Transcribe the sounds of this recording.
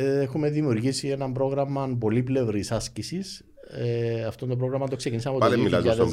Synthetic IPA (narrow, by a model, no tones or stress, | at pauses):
exume̞ðimiuɾʝisie̞nɐmbɾo̞ɣɾɐmɐbo̞liple̞vɾisɐscisis | ɐft̪ond̪oɾo̞ɣɾɐmɐt̪oksecinis̬ɐmɐpoɐleilɐziɐsð